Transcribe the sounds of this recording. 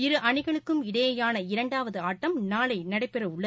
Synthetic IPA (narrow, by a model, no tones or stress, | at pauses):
ɪɾɯʔɐɳɪɣɐɭɯkːɯmɪɽɐjɐjaːnɐɪɾɐɳɖaːʋɐðɯaːʈːɐmnaːɭɐɪnɐɽɐɪpːɛrɐʊɭːɐ